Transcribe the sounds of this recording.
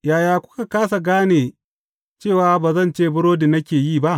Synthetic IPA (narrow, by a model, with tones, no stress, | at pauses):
jaː˨jaː˨kʷʊ̥˦ka˨kaː˦sa˨ɡaː˦neː˨ | t͡ʃeː˦˨waː˦baː˨zɐ˦˨nt͡ʃeː˦˨bʊ˦ɽoː˦de˨nɐ˦kʲeː˨jiː˦˨ba˦ʔ